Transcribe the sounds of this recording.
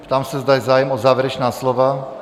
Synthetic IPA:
pt̪amsazd̪ajzaːjɛmɔzaːʋɛɾɛt͡ʃnaːslɔʋa

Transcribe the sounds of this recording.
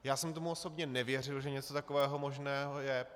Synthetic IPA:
jaːsɛmt̪o̞muo̞sobɲɛnɛvjɛr̝ɪlʒɛɲɛt͡so̞t̪akovɛːɦo̞mo̞ʒnɛːɦojɛ

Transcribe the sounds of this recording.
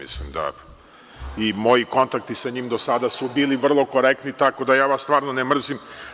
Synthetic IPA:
ḭslimd̪a̰ | imo̞jiko̞nt̪ak̚t̪isaɲiːmd̪o̞sad̪asubiːliʋr̩lˠo̞ko̞ɾek̚t̪nit̪ako̞d̪ajaːʋast̪ʋaːɾnonemr̩zim

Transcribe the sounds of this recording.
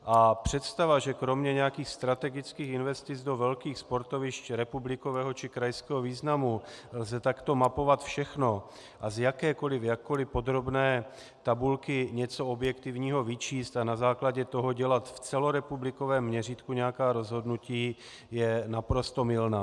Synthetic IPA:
ʔapr̝̥ɛt̪st̪avaʒɛkɾo̞mɲɛɲɛakiːxst̪ɾat̪ɛɡɪt͡skiːxɪnvɛst̪ɪd͡zdovɛlkiːxspo̞ɾt̪o̞vɪʃcɾɛpublɪko̞vɛːɦo̞t͡ʃɪkɾajskɛːɦoviːznamulzɛt̪akt̪o̞mapo̞vat̪fʃɛxno̞ | ʔazjakɛːko̞lɪfjakːolɪpo̞d̪ɾo̞bnɛː | t̪abulkɪɲɛt͡so̞objɛkt̪ɪvɲiːɦo̞vɪt͡ʃiːst̪anazaːklaɟɛt̪o̞ɦo̞ɟɛlat̪ft͡sɛlo̞ɾɛpublɪko̞vɛːmːɲɛriːt̪kuɲɛjakaːɾo̞zɦo̞dnuciː | jɛnapɾo̞st̪o̞mɪlnaː

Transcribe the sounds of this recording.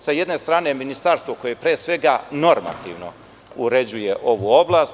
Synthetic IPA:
sajed̪ne̞st̪ɾaːne̞minist̪aːɾst̪ʋoko̞je̞pɾeːsʋe̞ɡano̞ɾma̰t̪ḭːʋno̞̰ | uɾe̞d͡ʑuje̞ʔo̞ʋuo̞blˠaːst̪

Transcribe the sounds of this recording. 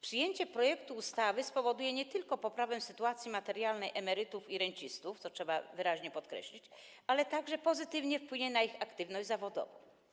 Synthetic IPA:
pʂɘjeɲt͡ɕɛpɾɔjɛkt̪uːst̪avɘspɔvɔd̪ujɛɲɛt̪ɘlkɔpɔpɾavɛmsɘt̪uat̪sʲjimat̪ɛɾjalnɛjʔɛmɛɾɘt̪ufiɾɛɲt͡ɕist̪uft̪sɔtʂɛba̰vɘɾaʑɲɛpɔt̪kɾɛ̰ɕlʲit͡ɕ | alɛt̪aɡʐɛpɔzɘt̪ɘvɲɛfpwɘɲɛnaixakt̪ɘvnɔʑd͡ʑʲzavɔd̪ɔ̰vɔ̰̃

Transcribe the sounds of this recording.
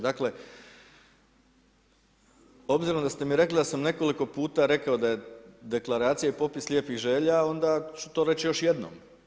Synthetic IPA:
d̪akle̞ | o̞bziɾomd̪ast̪e̞miɾe̞klid̪asamne̞ko̞liko̞puːt̪aɾe̞kaod̪aje̞d̪e̞klˠaɾaːt̪sijaipo̞pislʲjeːpixʒe̞ːʎao̞nd̪at͡ɕu̥t̪o̞ːɾe̞t͡ɕjo̞ʃje̞d̪no̰ːm

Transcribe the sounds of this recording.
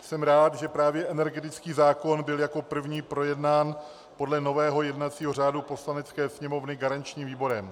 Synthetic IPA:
sɛmɾaːt̪ʒɛpɾaːvjɛʔɛnɛɾɡɛt̪ɪt͡skiːzaːko̞nbɪljako̞pr̩vɲiːpɾo̞jɛdnaːn | po̞dlɛno̞vɛːɦo̞jɛdnat͡siːɦo̞r̝aːdupo̞slanɛt͡skɛːsɲɛmo̞vnɪɡaɾant͡ʃɲiːmviːbo̞ɾɛm

